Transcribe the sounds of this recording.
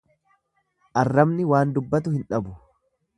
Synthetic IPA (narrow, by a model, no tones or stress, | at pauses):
ʔɐrːɐmnɪwaːnd̪ʊbːɐt̪̬ʊhɪnᶑɐbʊ